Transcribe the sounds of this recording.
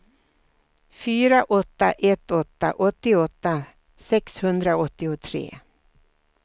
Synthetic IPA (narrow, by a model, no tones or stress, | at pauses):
fyːɾaʔɔt̪ːa̰ʔɛt̪ːɔt̪ːa̰ʔɔt̪ːɪɔt̪ːa | sɛkshɵnd̪ɾaɔt̪ːɪʊt̪ʰɾḛː